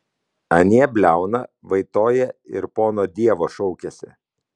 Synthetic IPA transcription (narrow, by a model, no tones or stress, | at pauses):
ɐnʲeːɛbʲlʲæˑʊnɐʋɐɪt̪oːjɛɪ̰ɾpoːnoːd̪ʲiɛʋoːʃɔʊkʲɛsʲɪ̰